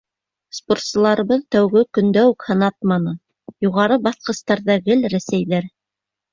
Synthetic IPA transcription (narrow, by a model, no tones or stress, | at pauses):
sport̪sɤ̆lˠɑɾɤ̆βɤðt̪æwɡɘkɵ̆nd̪æwʉkhɤ̆nɑt̪̚mɑnɤ | juʁɑɾɤbɑθqɤ̆st̪ɑɾðɑɡɘlɾæsæjðæɾ